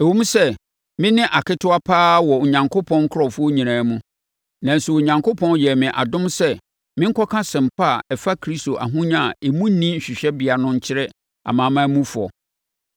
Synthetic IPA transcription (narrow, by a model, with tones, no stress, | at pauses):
e˨wu˦m̩˦sɛ˦ | mɪ̃˦nɪ̃˦ʔa˨kʰɪ˦tʰʊ˦a˦pʰaː˦wɔ˨o˨ɲã˨ŋkʰʊ˦pʰɔ̃˦ŋ˦kʰʊ˦ɾɔ˨fʊ˦ɔ˦ɲĩ˨nãː˨˦mũ˦ | nã˨n̩˨su˨o˨ɲã˨ŋko˦pʰɔ̃˦njɛ˨mɪ̃˨ʔa̰˨dʊ̃˦msɛ˦ | mɪ̃˦ŋ̩˦kʰɔ˦kʰã˦sɪ̃˨m˨pʰa˦˨ɛ˨fa˦kʰɾi˦sto˨ʔa̰˨ɦũ˦ɲa˨e˨mũ˦n˦nĩ˦ɲ̩˨ɕᶣɪ˨ɕᶣɛ˦bɪ˨a˨nʊ̃˦ɲ̩˦t͡ɕʰɪ˦ɾɛ˦ | a̰˨mãː˨˦mãː˦mũ˦fʊ˨ɔ̰˨